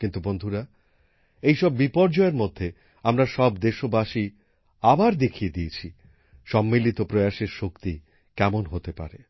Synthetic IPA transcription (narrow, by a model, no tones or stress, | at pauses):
kint̪ubond̪ʱuɾa | ejʃɔbːipɔɾd͡ʑɔeɾmod̪ʱːe | amɾaʃɔbd̪eʃobaʃi | abaɾd̪ekʰijed̪ijet͡ɕʰi | ʃɔmːilit̪opɾoeaʃeɾʃokt̪i | kɛmonɦot̪epa̰ɾe